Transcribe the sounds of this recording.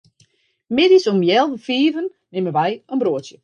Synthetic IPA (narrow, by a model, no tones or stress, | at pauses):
mɪdisomjɛlˠʋəfiːvənːɪməʋɛjənbroətjə